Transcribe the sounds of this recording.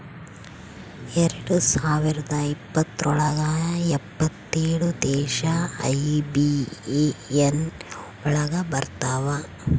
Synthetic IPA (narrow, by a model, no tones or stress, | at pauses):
eɾɐɽusaːʋiɾɐd̪ɐipːɐt̪ːɔɭɐɡaːɛpːɐt̪ːeːɽud̪ɛːʃɐɐ̰jbieen | ɔɭɐɡɐbɐɾt̪aːʋɐ